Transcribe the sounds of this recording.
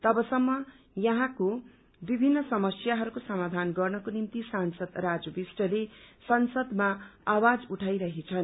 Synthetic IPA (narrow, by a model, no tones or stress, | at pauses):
t̪ʌbʌsʌmːʌ | jʌɦãko | bibʱinːʌsʌmʌsjaɦʌɾukosʌmad̪ʱanɡʌrnʌkonimt̪isansʌd̪rad͡zʌbisʈʌlesʌnsʌd̪maawad͡zuʈʰajɾʌɦet͡sʰʌn